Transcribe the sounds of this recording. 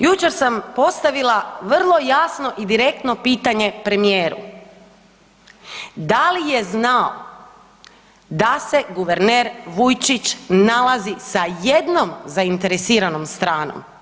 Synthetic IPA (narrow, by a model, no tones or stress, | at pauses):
jut͡ʃe̞ɾsampo̞st̪aʋilˠaʋr̩lˠo̞jasno̞ʔid̪iɾe̞k̚t̪no̞piːt̪aɲe̞pɾe̞mijeːɾṵ | d̪alije̞znao̰ | d̪ase̞ɡuʋeɾneːɾʋujt͡ʃit͡ʃnalazisaje̞d̪no̞mzaint̪e̞ɾesiːɾano̞mst̪ɾaːno̰m